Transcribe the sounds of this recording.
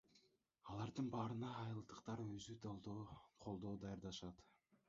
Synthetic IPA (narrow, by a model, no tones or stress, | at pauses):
ɑlˠɑɾd̪ɯnbɑːɾɯnɑːjɯlˠd̪ɯqt̪ɑɾøzy | qʰo̞lˠd̪oːd̪ɑjɑɾd̪ɑʃɑt̪